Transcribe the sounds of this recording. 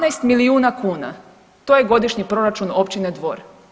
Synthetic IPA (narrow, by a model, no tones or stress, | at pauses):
najst̪miliuːnakuːna̰ | t̪oːje̞ɡo̞d̪iʃɲipɾo̞ɾat͡ʃuno̞pt͡ʃined̪ʋo̞̰ːɾ